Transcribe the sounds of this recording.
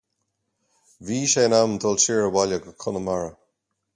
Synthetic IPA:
viːʃeːnamt̪ʰɔlt͡ʃiɹəwalʲəɡəkʰʊnəmaɹə

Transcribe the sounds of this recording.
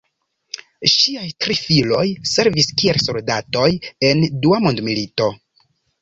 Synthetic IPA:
ʃiajtɾifilo̞jse̞ɾviskielso̞ldato̞je̞nduamondmilito̞

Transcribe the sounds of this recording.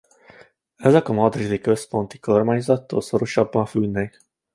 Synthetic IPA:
ɛzɛkɒmɒd̪rid̪ikøspo̞nt̪i̥ko̞rmaːɲzɒt̪ːo̰ːlsoɾoʃɒbːɒnfylnɛk

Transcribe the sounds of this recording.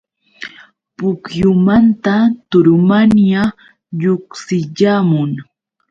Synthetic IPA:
pʊkjʊmant̪at̪ʊɾʊmanja | ʎʊχsɪʎaːmʊŋ

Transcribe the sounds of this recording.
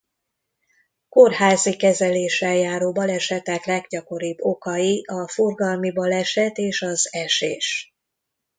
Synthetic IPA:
ko̞rhaːzikɛzɛleːʃɛljaːɾoːbɒlɛʃɛt̪ɛklɛɡɟɒko̞ɾibːo̞kɒjiɒfo̞rɡɒlmibɒlɛʃɛt̪eːʃɒzɛʃḛːʃ

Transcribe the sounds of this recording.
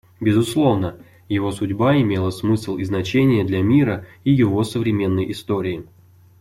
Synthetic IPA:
bʲɪzʊslˠo̞vnə | jɪvo̞sʊdʲbaɪmʲe̞lˠəsmɨslˠɪznɐt͡ɕenʲɪjəd̪lʲamʲiɾəijɪvo̞səvɾʲɪmʲe̞nːəjɪst̪o̞ɾʲɪː

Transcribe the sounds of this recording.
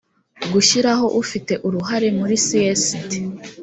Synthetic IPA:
ɡuʃiɾaɦo̞ʔufite̞ʔuɾuɦaɾe̞muɾisiesiti̥

